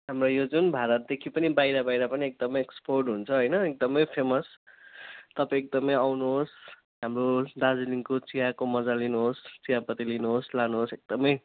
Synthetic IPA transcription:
ɦamrojod͡zunbʱaɾʌt̪̚d̪ekʰipʌnibajɾabajɾapʌniek̚d̪ʌmʌjeksporɖɦunt͡sʰʌɦojnʌek̚d̪ʌmʌjpʰemʌs | t̪ʌpãek̚d̪ʌmʌjawnuɦos | ɦamrod̪ad͡ziliŋkot͡sijakomʌd͡zalinuɦost͡siɦapʌt̪ilinuɦoslanuɦosek̚d̪ʌmʌj

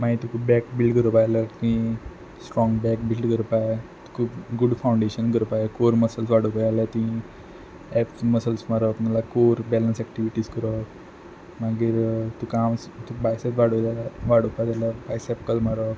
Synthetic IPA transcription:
maĩt̪ukʰupbɛkbilɖkəɾəpajlət̪uĩ | sʈɾɔ̃ŋɡbɛk̚bilɖkəɾpaet̪u̥kʰuːpɡuɽfawɳɖeɕənkəɾpajekoɾməsəlsʋaɽəpajlat̪ũĩ | ɛpməsəlsmaɾəkmalakoɾbɛlənsɛk̚ʈiʋiʈiskəɾək | maɡiːɾt̪ukamst̪ukbajsət̪ʋaɽəlaʋaɽəpajt̪alapajsɛpkəlmaɾək

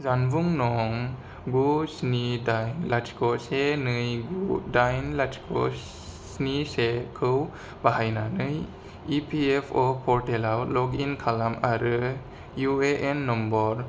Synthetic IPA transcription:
zanbuŋnɔŋ | ɡusnidajnlatkɔsenɯjɡudajnlat͡ʃkʰɔ̰ | snisekʰɯw | baɦajnanɯj | ipʰiepʰɔpʰɔɾtelawlɔɡinkʰalamaɾɯ | jueʔenːɔmbɔɾ

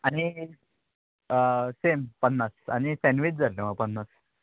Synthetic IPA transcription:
aɽ̃i | sempənːasa̰ɽ̃isɛ̃nʋit͡ɕd͡zʱaleməɡ̚pənːas

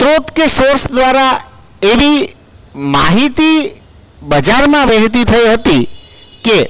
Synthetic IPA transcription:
t̪ɾot̪kesoɾsd̪ʋaɾa | eʋi | maɦit̪i | bəd͡ʒaɾmãʋəɦt̪̬it̪ʰəiɦət̪i | ke

